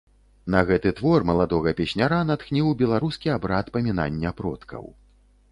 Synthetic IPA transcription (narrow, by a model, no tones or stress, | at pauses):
nɐɣɛt̪ɨt̪vɔrmɐlˠad̪ɔɣɐpʲɛɕʲnʲaɾanat̪xnʲiwbʲɛlˠaɾuskʲiabɾat̪pɐmʲina̰nʲːɐpɾɔt̪kʰɐ̰w